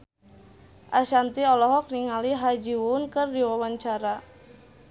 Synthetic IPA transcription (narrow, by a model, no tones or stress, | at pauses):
ʔaʃant̪iɔlɔɦɔk̚niŋaliɦad͡ʒiwunkərdiwawaɲt͡ʃaɾa